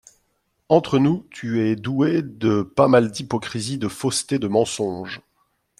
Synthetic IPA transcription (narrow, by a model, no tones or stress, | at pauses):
ɑ̃t̪χənut̪ʰyɛd̪ued̪əpamald̪ipɔkχizid̪əfost̪ed̪əmɑ̃sɔ̃ʒ